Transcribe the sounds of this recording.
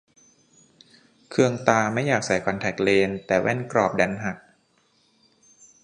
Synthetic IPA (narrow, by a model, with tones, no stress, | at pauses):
kʰɯ˧əŋt̪aː˧ma˥˩jaː˨˩k̚sa˨˩˦jkʰɔ˧nt̪ʰɛ˨˩k̚leː˧nt̪ɛː˨˩wʔɛ˥˩nkɾɔː˨˩p̚dɛ˧nɦa˨˩k̚